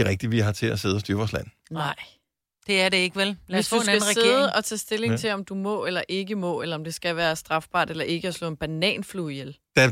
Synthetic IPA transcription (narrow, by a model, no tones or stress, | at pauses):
ʁɛɡ̥̚d̥iʋiɦɑ̈t͡sʰe̝æse̝ð̞̩ˠsd̥yːɐʋɒ̰ːslæn̰ | nɑɪ̰ | d̥e̝æɐɾeeɡ̥əʋellæsɔusnɡæn̩ʁɛse̥̝eðˠəʔɒ̽t͡sʰɛ̰ːsd̥e̝le̝ŋŋt͡sʰe̝ɒ̽md̥umɔ̽ːelɐʔe̝ɡəmɔ̰̽ːelɐɒ̽md̥e̝sɡ̥æʋæːɐsd̥ʁɑ̈fb̥ɑ̰̈ːd̥elɐʔe̝ɡ̥əæslɔ̰̽ːe̝nb̥ænɛ̰ːnfluːijeld̥æ